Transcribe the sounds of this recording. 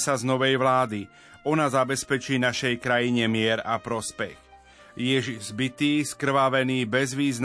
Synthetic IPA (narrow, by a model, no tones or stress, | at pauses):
saznɔʋɛjʋlaːd̪i | ɔnazabɛspɛt͡ʃiːnaʃɛjkɾajiɲɛmɪɛɾapɾɔspɛx | jɛʒizbit̪iːskr̩ʋaʋɛniːbɛzʋiːzn